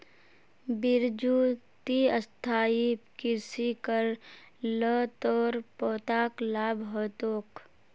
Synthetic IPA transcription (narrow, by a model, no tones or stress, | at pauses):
bɪɾd͡ʒuːt̪iəst̪ʰaːikɪɾsikəɾ | lət̪ɔːɾpɔːt̪aːklaːbʱɦoːt̪oːk